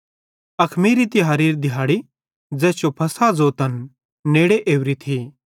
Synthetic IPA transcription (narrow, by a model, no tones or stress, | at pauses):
ɐkʰmiːɾit̪iɦaːɾiːɾd̪ɪɦaːɽi | d͡zɛːst͡ʃjopʰɐsad͡zoːt̪ənː | eːɽeʔeːʋɾit̪ʰi